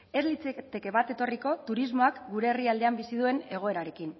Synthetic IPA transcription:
e̞zlit͡set̪e̞ke̞βat̪e̞t̪o̞riko̞t̪uɾizmo̞akɡuɾe̞ːriald̪e̞ambisið̞ue̞ne̞ɣ̞o̞e̞ɾaɾe̞kin

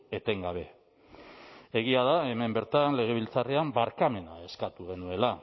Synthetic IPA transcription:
e̞t̪e̞ŋɡaβ̞e̞ | e̞ɣ̞iað̞ae̞me̞mbe̞ɾt̪anle̞ɣ̞e̞β̞ilt͡sareambaɾkame̞nae̞skat̪uɣ̞e̞nue̞la

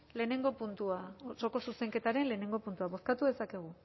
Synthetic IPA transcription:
le̞ːne̞ŋɡo̞punt̪uaso̞ko̞suse̞ŋke̞t̪aɾe̞nle̞ːne̞ŋɡo̞punt̪uaβo̞skat̪uðe̞sake̞ɣ̞u

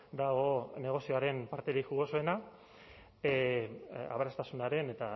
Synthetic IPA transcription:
d̪aɣo̞ne̞ɣ̞o̞sioaɾe̞npaɾt̪e̞ɾixuɣo̞soe̞na | a̰βeɾast̪asunaɾe̞ne̞t̪a

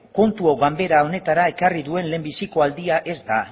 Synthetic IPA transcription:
ko̞nt̪uoɣambe̞ɾao̞ne̞t̪aɾae̞kariðue̞nle̞mbisiko̞ald̪iaʔe̞zd̪a

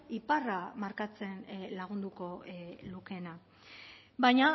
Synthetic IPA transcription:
iparamaɾkat͡se̞nlaɣ̞und̪uko̞luke̞na | bajɲa

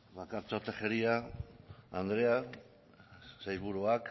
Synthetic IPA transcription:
βakaɾt͡ʃot̪exeɾia | and̪ɾea | sajβuɾuak

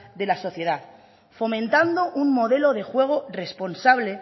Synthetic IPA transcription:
ðe̞laso̞θje̞ð̞að | fo̞mẽ̞nt̪and̪o̞ʔunmo̞ðe̞lo̞ðe̞xwe̞ɣ̞ore̞spo̞nsaβ̞le̞

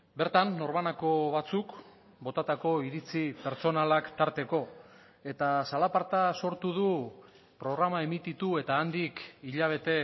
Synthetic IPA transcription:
be̞ɾt̪anːo̞ɾmanako̞βat͡suk | bo̞t̪at̪ako̞iɾit͡sipe̞ɾt͡so̞nalakt̪aɾt̪e̞ko̞ | e̞t̪asalapaɾt̪aso̞ɾt̪uð̞u | pɾo̞ɣɾamae̞mit̪it̪ue̞t̪aːnd̪ikiʎaβ̞e̞t̪e̞

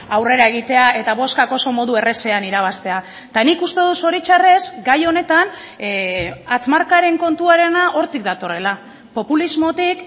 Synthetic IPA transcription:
awre̞ɾae̞ɣ̞it̪e̞ae̞t̪aβo̞skako̞so̞mo̞ðue̞re̞se̞aniɾaβ̞ast̪e̞a | t̪anikust̪e̞ðuso̞ɾit͡ʃare̞zɡajo̞ne̞t̪an | at͡smaɾkaɾe̞ŋko̞nt̪uaɾe̞naʔo̞ɾt̪ik̚d̪at̪o̞re̞la | po̞pulizmo̞t̪ik

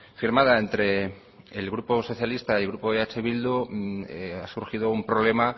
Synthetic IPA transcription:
fiɾmað̞aent̪ɾe̞ | elɣɾuposo̞θjalist̪ailɣɾupoeat͡ʃeβild̪ueasuɾxiðoumpɾo̞βle̞ma

